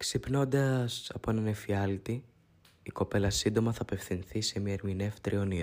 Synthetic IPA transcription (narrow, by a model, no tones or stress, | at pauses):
ksipno̞nd̪ɐsɐpo̞enɐnefiɐlt̪i | iko̞pe̞lɐsind̪o̞mɐθɐːpe̞fθinθise̞miɐeɾmine̞ft̪ɾio̞ni